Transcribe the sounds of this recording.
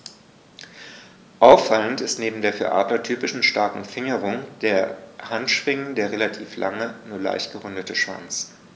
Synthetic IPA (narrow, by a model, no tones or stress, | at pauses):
ʔaʊfːaləntɪstneːbm̩deːɐfyːɐʔa̰ːtlɐtʰyːpɪʃn̩ʃtaɐkŋ̩fɪŋəʁ̞ʊŋd̥eːɐhantʃv̥ɪŋəndeːɐʁelatʰiːfla̰ŋənuːɐla̰ɪçtɡ̥əʁʏndətʰəʃv̥a̰nt͡s